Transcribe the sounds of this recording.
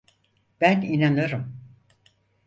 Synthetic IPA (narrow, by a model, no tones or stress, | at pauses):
b̥æninanɯɾɯm